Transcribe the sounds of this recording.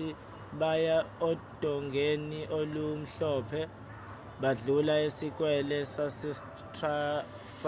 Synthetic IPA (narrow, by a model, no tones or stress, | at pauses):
i | ɓajaɔd̥ʱɔŋɡʱeniʔolum̩ɬɔːpʰɛ | ɓaɮulaesik̬ʼwɛlɛsasɛs | tʰra | f